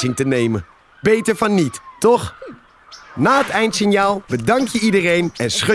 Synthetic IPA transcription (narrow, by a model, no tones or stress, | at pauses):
ɪŋtənejmə | b̥ejtəɹvɑnːittɔχ | naːɦətɛjntsɪnjaːlˠbədɑŋkjəidərejnɛnsχø